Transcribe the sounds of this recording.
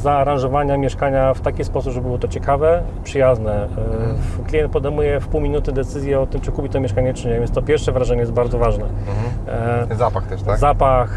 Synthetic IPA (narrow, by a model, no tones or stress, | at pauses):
zaːɾãʐɔvaɲamʲjɛʂkaɲaft̪akʲispɔsupbʐɛbɘwɔt̪ɔt͡ɕɛkavɛ | pʂɘjaznɛ | klʲijɛnt̪̚pɔd̪ɛjmujɛfpuwmʲinut̪ɘd̪ɛt̪sɘzʲjɛɔt̪ɘmt͡ʂɘkupʲit̪ɔmʲjɛʂkaɲɛt͡ʂɘɲɛvʲjɛnst̪ɔpʲjɛɾfʂɛvɾaʐɛɲɛjɛzbaɾd̪zɔvaʐnɛ | zapaxt̪ɛʃt̪azapax